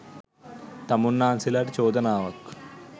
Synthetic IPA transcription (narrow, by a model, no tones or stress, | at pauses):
t̪ɐmunːaːnsilaʈit͡ʃoːd̪ɐnaːʋɐk